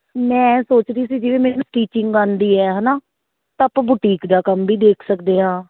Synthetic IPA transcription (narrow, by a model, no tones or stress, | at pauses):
mɛ̃ːsoːt͡ʃd̪iːsiːd͡ʒɪʋẽːmɛːnũːʈiːt͡ʃɪŋɡaːnd̪iːɛːɦəːnaː | t̪ãːpãːbʊʈiːkd̪aːkəmbʱiːd̪eːkʰsəkd̪eːɦãː